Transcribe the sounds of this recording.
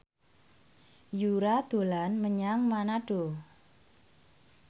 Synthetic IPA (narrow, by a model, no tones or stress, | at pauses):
juɾad̪̥o̤lanməɲaŋmanaɖ̥o̤